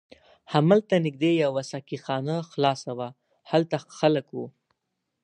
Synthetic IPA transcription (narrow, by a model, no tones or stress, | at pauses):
hamalt̪anɪɡ̚d̪ejawasakixɑnaxlɑsawa | halt̪axaləkwu